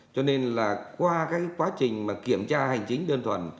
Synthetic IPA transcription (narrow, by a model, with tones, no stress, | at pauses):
t͡ɕɔ˧ne˧nlaː˨˩kwaː˧kaː˨˦˥kkwaː˨˦t͡ɕï˨˩ŋ̟maː˨˩ki˧˩əmt͡ɕaː˧ha˨˩jŋ̟t͡ɕï˨˦ŋ̟ɗəː˧nt̪ʰwə̰˨˩˨n